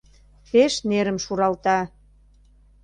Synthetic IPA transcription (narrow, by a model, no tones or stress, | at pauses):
peʃneɾə̆mʃuɾɑlt̪ɑ